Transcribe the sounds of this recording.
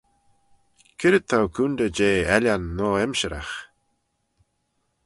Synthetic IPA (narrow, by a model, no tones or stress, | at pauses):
kʰɪɾət̪ʰːawkʰund̪əd͡ʒeːɛlʲanːɔːɛmʃəɾa̰x